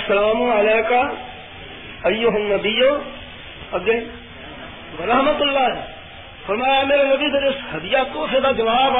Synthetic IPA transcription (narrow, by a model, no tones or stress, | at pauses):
sɐlaːmũɐlɛːka | ɐjoɦɐnːɐbijo | ɐɡe | ʋɐɾɐɦmət̪ʊlːaː | fɐɾmaːjameːɾenɐbid̪ɐɾɪshɐd̪ɪjak̪oːfed̪ad͡ʒɐʋaːb